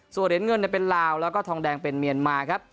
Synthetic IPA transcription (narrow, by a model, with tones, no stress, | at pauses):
su˨˩t̪̚hi˩˦nŋɤ˧nːi˥˩pe˧nlaː˧wlɛː˦˥wkɔː˥˩t̪ʰɔː˧ŋdɛː˧ŋpe˧nmi˧ənmaː˧kʰɾa˦˥p̚